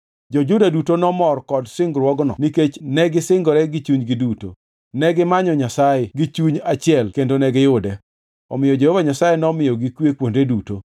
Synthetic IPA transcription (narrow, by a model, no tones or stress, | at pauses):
d͡ʒɔd͡ʒʊdadutonɔmɔrkɔdsɪŋɡɾwɔɡnɔ̰niket͡ʃnɛɡɪsɪŋɡɔɾɛɡit͡ʃuɲɡɪduto̰ | nɛɡɪmaɲɔɲasajeɡit͡ʃuɲat͡ʃɪɛlkendonɛɡɪjʊdɛ | ɔ̰mɪjɔd͡ʒehovaɲasajenɔmɪjɔɡikwekwondeduto